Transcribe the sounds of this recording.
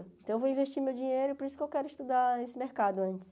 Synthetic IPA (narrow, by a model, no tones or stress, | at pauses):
t̪ɐ̃w̃w̃voĩveʃt͡ʃiɾmewd͡ʒĩɲejɾʊpoɾisʊ̥kewkɛɾʊiʃt̪ud̪aesɪmeɾkad̪ʊɐ̃nt͡ʃɪ̥s